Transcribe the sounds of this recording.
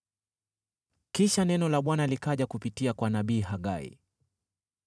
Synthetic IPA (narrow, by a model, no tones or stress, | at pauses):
kiʃanɛnɔlaɓwanalikaʄakupitiakwanaɓiːɦaɠaḭ